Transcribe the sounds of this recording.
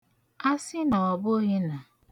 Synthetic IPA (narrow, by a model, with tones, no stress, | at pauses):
a˦sɪ˦nɔ˨ɔ˨bʊ˦ɦe˦na˨